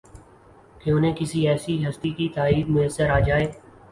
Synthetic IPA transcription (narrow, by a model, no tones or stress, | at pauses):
keʊn̤ẽːkɪsiɛːsiɦɐst̪ikit̪aːiːb̪mʊjəsːəɾaːd͡ʒaːeː